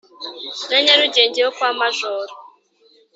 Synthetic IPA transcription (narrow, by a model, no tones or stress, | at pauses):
neɲeɾud͡ʒeɲd͡ʒeokʷamaʒɔːɾɔ